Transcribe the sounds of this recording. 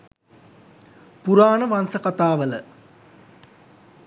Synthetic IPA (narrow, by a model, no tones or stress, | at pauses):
puɾaːnəʋansəkat̪aːʋələ̰